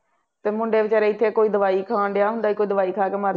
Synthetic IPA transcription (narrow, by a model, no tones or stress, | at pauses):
t̪eːmʊ̃ɳɖeːʋɪt͡ʃɛːɾeːɪt̪ʰːeːkoːiːd̪əʋaːiːkʰãːɖejaːɦʊnd̪aːiːkoːiːd̪əʋaːiːkʰaːkeːməɾ